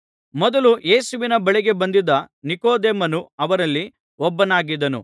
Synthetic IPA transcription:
mɔd̪ɐluje̞ːsuʋinɐbɐɭiɡe̞bɐnd̪id̪ɐnikoːd̪eːmɐnuɐʋɐɾɐlːi | ɔbːɐnaːɡid̪ɐnṵ

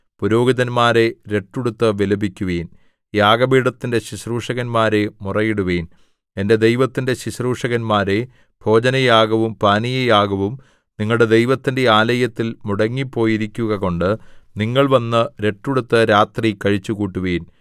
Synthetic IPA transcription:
puɾo̞ːɡiðɐnmaːɾe̞ɾe̞ʈːuɽut̪ːɨʋelɐbikʲːuʋeːn | jaːɡɐbiːɽɐt̪ːinde̞ɕiɕruːʂɐɣɐnmaːɾe̞murɐjiɽuʋeːn | e̞nde̞d̪ejʋɐt̪ːinde̞ɕiɕruːʂɐɣɐnmaːɾe̞ | b̥ʱo̞ːd͡ʑɐnɐjaːɡɐʋumpaːnijɐjaːɡɐʋum | niŋːɐɭɽe̞d̪e̞jʋɐt̪ːinde̞aːlɐjɐt̪ːilmuɽɐŋːipːo̞ːjiɾikʲːuɣɐɣo̞ɳɖɨniŋːɐɭʋɐnːɨɾe̞ʈːuɽut̪ːɨɾaːt̪rikɐɻit͡ɕːukuːʈːuʋeːn

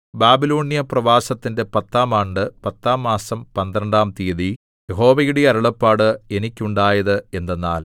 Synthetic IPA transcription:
baːbilo̞ːnijɐprɐʋaːsɐt̪ːinde̞pɐt̪ːaːmaːɳɖɨpɐt̪ːaːmːaːsɐmpɐnd̪ɾɐɳɖaːmt̪iːɐði | jeɦo̞ːʋɐjuɽeɐɾuɭɐpːaːɽɨe̞nikʲːuɳɖaːjɐðɨe̞nd̪enːa̰ːl

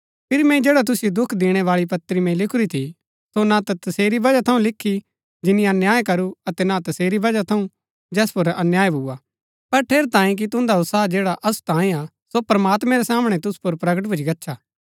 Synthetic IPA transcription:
pʰɪɾimɛ̃ĩd͡ʒeːɽat̪̬ʊsjod̪ʊkʰd̪eːɽ̃ɛʋaːɭipɐt̪ːɾimɛ̃lɪkʰʊɾit̪ʰi | sonat̪at̪ɐseːɾibɐd͡ʒat̪ʰɐũlɪkʰːi | d͡ʒɪnɪ̃jãnjaːekɐɾuɐt̪ɛnat̪ɐseːɾibɐd͡ʒat̪ʰɐũ | d͡ʒɛːspʊɾɐnjaːjbʱʊːa | pɐɾʈʰeːɾt̪ãːĩk̬it̪ʊ̃nd̪aʊt̪saːd͡ʒeːɽaʔɐsu̥t̪ãːĩa | sopɾɐmaːt̪mɛ̃ɾɛsaːmɽ̃ɛt̪ʊsu̥poɾpɾɐɡəʈ̬bʱʊd͡ʒiɡɐtːʃʰaː

